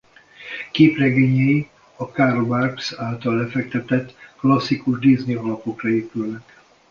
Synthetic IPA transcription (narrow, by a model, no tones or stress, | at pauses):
keːprɛɡeːɲɛji | ɒkarbarksaːlt̪ɒlːɛfɛk̚t̪ɛt̪ɛt̪ːklɒsːikuʒd̪izniɒlɒpo̞krɛeːpylnɛk